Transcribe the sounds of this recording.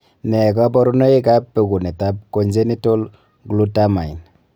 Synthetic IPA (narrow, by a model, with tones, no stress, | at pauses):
nɛ˨ɡa˦bɔ˦ɾu˦no˦e˦ka˦pːe˨ɡu˨ne˨ta˦b̚ko˨nd͡ʒe˦ni˦to˦l | ɡlu˦ta˦ma˨i˨n